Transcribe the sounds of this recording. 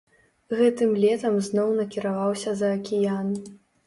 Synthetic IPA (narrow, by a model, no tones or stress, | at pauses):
ɣɛt̪ɨmlʲɛt̪ɐmznɔwnɐkʲiɾavawsʲɐzɐːkʲijan